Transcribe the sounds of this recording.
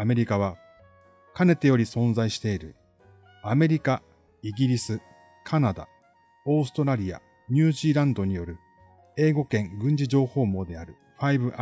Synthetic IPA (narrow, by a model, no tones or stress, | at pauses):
ame̞ɾʲikaβ̞a | kane̞t̪ːe̞jo̞ɾʲisõ̞ñzaiɕi̥t̪e̞iɾɯ̟̰ | ame̞ɾʲika | iɡʲiɾʲisɨ | kʰanad̪a̰ | o̞ːsɨ̥t̪o̞ɾaɾʲija̰ | ɲ̟ʲɨːʑiːɾãnd̪o̞ɲ̟ijo̞ɾɯ̟ | e̞ːɡo̞kẽ̞ŋɡɯ̟̃ɲ̟d͡ʑiʑo̞ːho̞ːmo̞ːd̪e̞aɾɯ̟ | ɸaibɯ̟ʔ